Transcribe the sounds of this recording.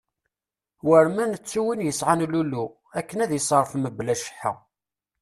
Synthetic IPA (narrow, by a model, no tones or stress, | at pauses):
wəɾmænət͡sːuwənjəsʕanlulu | ækːənæðjəsˤɾˤfməblæʃə̥ħə̰